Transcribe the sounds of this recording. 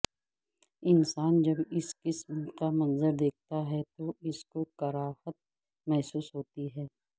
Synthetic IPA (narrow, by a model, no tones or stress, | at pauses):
ɪnsaːnd͡ʒɐbɪskɪsmkamɐ̃nzəɾd̪eːk̚ʰt̪aɦɛt̪oɪskokɐɾaːhət̪̚ | mɛɦsuːsɦoːt̪iɦɛː